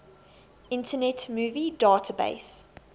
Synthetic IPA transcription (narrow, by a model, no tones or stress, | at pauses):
ɪ̃ntʰənɛtmuːvidaːtʰəbḛɪs